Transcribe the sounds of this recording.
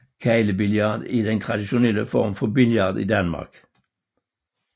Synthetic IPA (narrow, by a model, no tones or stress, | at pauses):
kʰæɪləbɪljɑd̪iːd̪ɛnt̪ʰʁɑd̪ɪʃʊnɛləfɔʁmfɔbɪljɑʁd̪ḭːd̪ɑnmɑ̰ʁk